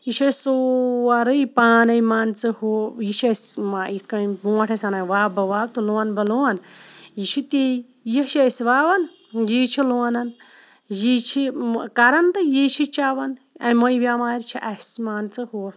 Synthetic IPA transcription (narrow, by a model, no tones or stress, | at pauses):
jiʃɐsoɐɾəjpaːnɐjmaːnt͡sɨhujiʃʰesmait̪kɐbũːɐʈʰɐsɐnaʋaːbɐʋaːb̚t̪uloɐnbɐluɐnjit͡ʃʰit̪eː | jiʃesʋaːʋɐn | jit͡ʃʰiluanɐn | jit͡ʃʰikɐɾɐnt̪ɨjit͡ʃʰit͡ʃaʋɐn | ɐmɐjbʲaːmaːɾt͡ʃʰiʔɐsmaːnt͡sɨhu